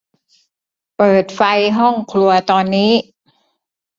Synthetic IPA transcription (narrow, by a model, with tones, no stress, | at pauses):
pɤː˨˩t̪̚fa˧jɦɔ˥˩ŋkʰlu˧ɐt̪ɔː˧nːiː˦˥